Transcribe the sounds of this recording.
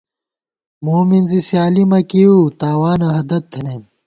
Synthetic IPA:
moːminzisjaːlimɐkiut̪aːwaːnɐɦɐd̪ɐt̪ʰːɐnem

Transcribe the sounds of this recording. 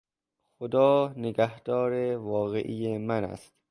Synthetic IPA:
xod̪ɒːneɡæhd̪ɒːɾevɒːɣḛʔijemænæ̰st̪

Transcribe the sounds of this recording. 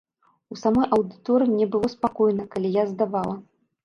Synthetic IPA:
usamɔjʔɐwd̪ɨt̪ɔɾɨmnʲɛbɨlˠɔspakɔjnɐkalʲijazd̪avalˠɐ

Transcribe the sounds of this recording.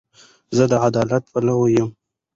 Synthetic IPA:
zəd̪əad̪ɑlat̪̚pəlawojəm

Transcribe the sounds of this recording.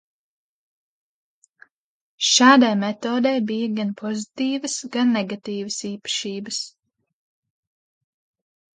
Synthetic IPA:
ʃaːd̪ajmɛt̪oːd̪ɛjbijaɡanpʰɔzit̪iːvəsɡanːɛɡat̪iːvəsiːpɐ̥ʃiːbəs

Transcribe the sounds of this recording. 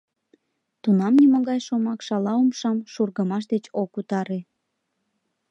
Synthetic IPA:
t̪unɑmniməɣɑjʃomɑkʃɑlɑumʃɑmʃurɣəmɑʃ̬d̪et͡ɕokut̪ɑɾe

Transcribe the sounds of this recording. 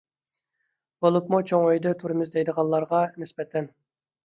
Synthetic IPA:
b̥olˠupmut͡ʃʰoŋøjd̪ɨt̪ʰuɾɨmɪzd̪ejd̪əʁɑlˠːɑɾʁɑnɪsbɛt̪ʰɛn

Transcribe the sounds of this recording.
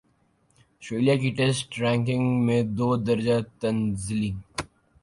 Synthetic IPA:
sʈɾeːlijakiʈeːsʈɾɛ̃ːŋkɪ̃ŋɡmẽd̪oːd̪ɐɾd͡ʒat̪ɐnzɪliː

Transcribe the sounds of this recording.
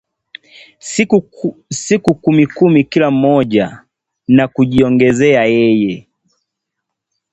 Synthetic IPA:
sikukumikumikilam̩mɔʄa | nakuʄiɔŋɡɛzɛajɛjɛ

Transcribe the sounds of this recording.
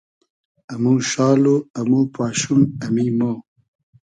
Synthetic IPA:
ɐmuʃɑːloɐmuːpaːɕunɐmimo

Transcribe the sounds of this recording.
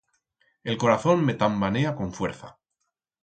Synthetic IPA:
e̞lko̞ɾaθo̞mmet̪ambaneako̞ɱfwe̞ɾθa̰

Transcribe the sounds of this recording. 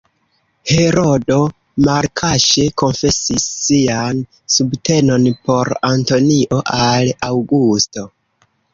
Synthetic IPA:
he̞ɾo̞do̞ | maɾkʰaʃeko̞nfe̞sisːian | subte̞no̞npo̞ɾanto̞niʔo̞ʔalawɡusto̞

